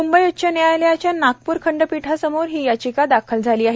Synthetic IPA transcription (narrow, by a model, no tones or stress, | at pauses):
umbəjutːt͡ɕanejajljat͡ɕjanak̚puːɾkʰəɳɖəpiʈʰasəmoɾɦiːjat͡ɕikad̪akʰəld͡zʱaliːaɦ